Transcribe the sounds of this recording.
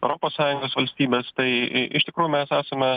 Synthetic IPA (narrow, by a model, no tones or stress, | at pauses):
ɛʊɾoːpoːssɑːjʊŋɡoːsʋɐlʲsʲt̪ʲiːbʲeːst̪ɐɪʔɪʃt̪ʲɪkɾuːjʊmʲɛsæːsɐmʲɛ